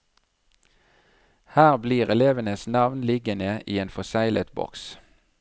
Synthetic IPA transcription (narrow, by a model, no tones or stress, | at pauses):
hæːʁbliːʁɛleːʋənəsnɑʋnlɪɡənəʔiːeːnfɔsæɪlə̰t̪bɔ̰ks